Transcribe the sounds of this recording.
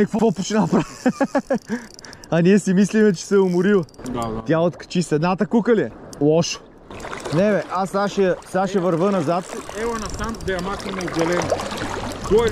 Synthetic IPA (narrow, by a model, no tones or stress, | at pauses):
ɐkvɔvɔpot͡ʃnapɾa | ɐniɛsimislimɛt͡ʃɛ̥sɛʊmʊɾilˠəd̪at̪ʲaot̪kɐ̥t͡ʃisɛd̪nat̪əkukəlilˠɔʃo̥ | nɛvɛʔasːaʃsaʃɛvɐɾvənɐzat̪ɛvɐnɐsant̪d̪ɛɐmak̪ɐnɛʊd̪ɛlɛno | ɡ̪ɔɛ